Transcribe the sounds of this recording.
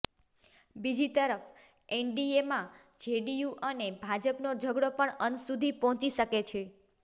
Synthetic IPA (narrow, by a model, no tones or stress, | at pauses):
bid͡ʒit̪əɾəf | eɳɖiemã | d͡ʒeɖijuʔənebʱad͡ʒəpnod͡ʒʱəɡɽopəɳənsud̪ʱipɔɦɔ̃t͡ʃiʃəket͡ʃʰe